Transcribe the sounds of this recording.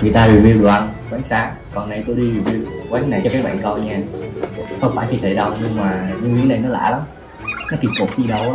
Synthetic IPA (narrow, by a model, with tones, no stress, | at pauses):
ŋɨ˨˩əjt̪aː˧vḭ˨˩wi˧wɗu˨˩˨ʔə˧nkwaː˨˦ŋ̟saː˨˦ | kɔ˨˩nːa˨˩jt̪o˧jɗi˧vi˨˩wi˧wkwaː˨˦ŋnːa˨˩jt͡ɕɔ˧˩kaː˨˦˥jɓa̰ː˧˨nkɔ˧jɲaː˧˩ | xə˧wŋ͡mfaː˧˩jt͡ɕʰi˧˩t̪ʰḛ˧˩ɗə˨˧˩wɲɨ˧ŋmaː˨˩zɨ˧˦ŋwi˨˦na˨˩nɔ˨˦la̰ː˧˩la˨˦m | nɔ˨˦t̪i˨˩mfu˨˩t̚ɲi˧˩ɗə˧w